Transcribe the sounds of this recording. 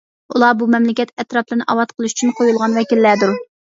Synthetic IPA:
ulˠɑbumɛmlɪkʲɛt̪ɛt̪ɾɑplˠɨnɨʔɑwɑt̪qʰəlˠɨʃy̥t͡ʃʰynqʰojulˠʁɑnwɛkʲilːæd̪uɾ

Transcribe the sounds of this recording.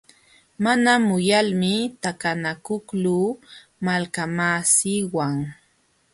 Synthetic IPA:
manamʊjalmɪt̪akanakʊkluː | malkamaːsiːwaŋ

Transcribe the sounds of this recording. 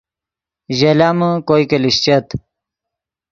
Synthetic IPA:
ʑelaməkojkeliɕt͡ɕet̪

